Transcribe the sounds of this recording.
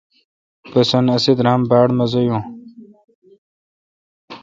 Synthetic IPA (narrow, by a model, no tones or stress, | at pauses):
pɐsɐnɐsid̪ɾãːmbaːɽmɐzojũː